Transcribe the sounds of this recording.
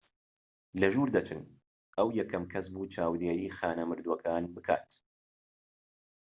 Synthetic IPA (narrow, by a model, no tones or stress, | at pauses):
lɐʒuːɾd̪ɐt͡ʃɨ̰n | ʔɐwjɛkʰɐmkʰɐs̬buːt͡ʃʰaːwd̪eːɾiːxaːnɐmɨɾd̪wɐkʰaːnbɨkʰa̰ːt̪